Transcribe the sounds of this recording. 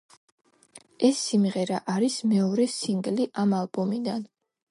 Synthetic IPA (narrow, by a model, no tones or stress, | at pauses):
ɛsːimʁɛɾaʔaɾismɛɔɾɛsiŋɡliʔamalˠbɔmid̪an